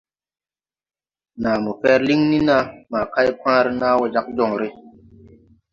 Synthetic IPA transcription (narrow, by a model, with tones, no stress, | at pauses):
naː˨mu˨fɛ˦ɾli˦ŋni˦na˦ma˨ka˦jkwãː˦ɾi˦naː˦wɔ˨d͡ʒa˦k̚d͡ʒɔ˨ŋɾi˦